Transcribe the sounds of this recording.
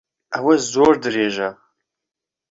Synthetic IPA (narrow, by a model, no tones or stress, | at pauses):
awɐszoːrdɨreːʒa